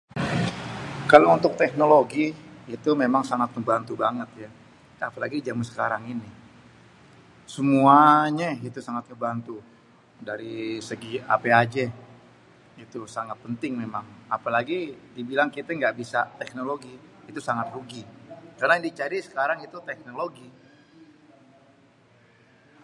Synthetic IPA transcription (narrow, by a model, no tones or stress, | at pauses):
kalount̪ʊk̚t̪ɛknoloɡiːt̪umemaŋsaŋat̪̚məmbant̪ubaŋət̪̚ja | apalaɡid͡ʒamənsə̥kaɾaŋini | səmuaɲait̪usaŋat̪̚məbant̪u | daɾisəɡia̰pead͡ʒɛ | ɡit̪usaŋat̪̚pənt̪ɪŋmemaŋapalaɡidibilaŋkit̪ɛŋɡaʔbisat̪ɛknoloɡiːt̪usaŋat̪ruɡikarnandit͡ʃaɾisə̥kaɾaŋit̪ut̪ɛk̚noloɡi